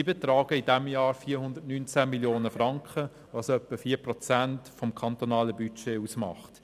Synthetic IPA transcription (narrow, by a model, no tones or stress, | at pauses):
ibet̪ɾɑːɡəidɛmjɑːɾfiːəɾhʊndətnynt͡sæmiljoːnəfɾɑŋkχə | ʋɑsœpːəfiːɐprɔt͡sæntfɔmkʰɑnt̪onɑːləbyt͡ʃeːusmɑ̰χtt